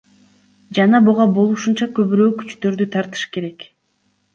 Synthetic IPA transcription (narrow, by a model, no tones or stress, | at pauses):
d͡ʒɑnɑbuʁɑbo̞lˠuʃunt͡ʃɑkø̞βyɾø̞ːky̥t͡ʃt̪ø̞ɾd̪yt̪ʰɑɾt̪ɯ̥ʃke̞ɾe̞k